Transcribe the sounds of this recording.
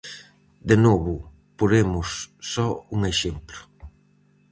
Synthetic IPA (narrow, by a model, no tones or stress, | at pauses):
d̪enɔβʊ | poɾemʊsːɔuŋeʃemplʊ̥